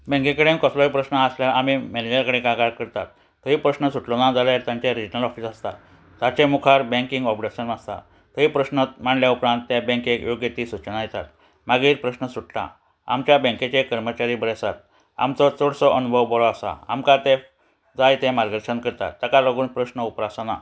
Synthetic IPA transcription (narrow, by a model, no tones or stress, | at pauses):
bɛ̃ŋkẽkəɽẽnkɔslɔipɾəɕnəasljaɾam̤imɛned͡ʑəɾkəɽẽkãɡaɾkəɾt̪a̰t̪ː | əɦiːpɾəsnəsuʈlonad͡zaljaɾt̪jãɲt͡ɕaɾid͡ʑnəlɔfiːsast̪a̰t̪ | t̪at͡ɕemukʰaɾbɛ̃ŋkĩŋɡɔpɽeɕənast̪a̰ | t̪əɦiːpɾəɕnət̪m̤aɳljaupɾãnt̪ːjabẽŋkekjoɡjet̪iːsut͡ɕənajet̪a̰t̪ | maɡiːɾpɾəsnəsuʈt̪a̰ | a̰mt͡ɕjabə̃ŋket͡ɕekəɾmət͡ɕaɾiːbəɾesat̪̚ | a̰mt͡sɔt͡soɽsɔʔənubʱəʋbɔlɔasa̰a̰mkat̪e | d͡zajt̪emaɾɡəɾʂənkəɾt̪a̰t̪ːəkaləɡuːnpɾəsnəupɾasana̰